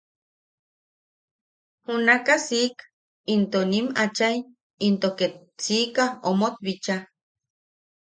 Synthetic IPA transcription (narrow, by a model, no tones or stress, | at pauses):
hunakasik | int̪onimat͡ʃaj | int̪oket̪ | sikaomot̪̚βit͡ʃa